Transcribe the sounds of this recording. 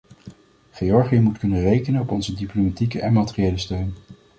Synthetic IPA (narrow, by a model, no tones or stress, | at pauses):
χeɔɹχijəmutkɵnənrejkənənɔpɔnzədiplomatikəʔɛnmatɪriejləstøɥn